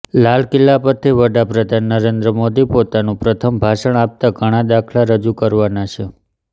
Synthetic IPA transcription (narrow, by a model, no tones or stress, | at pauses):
lalkɪlːapəɾt̪ʰiʋəɖapɾəd̪ʱanːəɾend̪ɾəmod̪ipot̪anũpɾət̪ʰəmbʱaʃəɳ̃ap̚t̪aɡʱəɽ̃ad̪akʰlaɾəd͡ʒukəɾʋanat͡ʃʰe